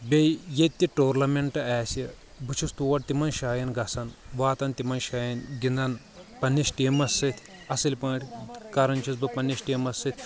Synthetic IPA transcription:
bʲejjet̪ʲːiʈoːɾlɐmeɳʈɨɛːsi | bɨt͡ʃʰust̪uʋɐʈ̚t̪imɐnʃaːjɐnɡɐsɐnʋaːt̪ɐnt̪imɐnʃaːjɐnɡind̪ɐn | pɐnːisʈiːmɐsːɨt̪ʰʲ | ɐsɐlʲpɐ̃ːʈʰʲkɐɾɐnt͡ʃʰisbɨpɐnːesʈiːmɐsːɨt̪ʰʲ

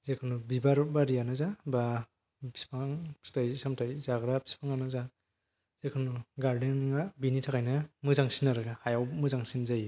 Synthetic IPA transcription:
zekʰɯnubibaɾbaɾijanɯzaba | pʰi̥spaŋʰistʰajsamtʰajzaɡɾapʰi̥spʰaŋanɯza | z̥ekʰɯnuɡaɾdinnŋabinitʰakʰajnɯmɯzaŋsinaɾɯɡahajawmɯzaŋsinzaj

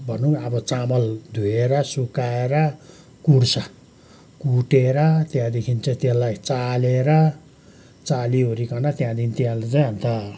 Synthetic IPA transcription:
bʱʌnuʌbʌt͡samʌld̪ʱueɾʌsukaeɾʌ | kursa | kuʈeɾʌt̪jãd̪ekʰint͡sʌ̃t̪jãlajt͡saleɾʌ | t͡saliɦoɾikʌnat̪jãd̪int̪jãlet͡saj̃ɦamt̪a

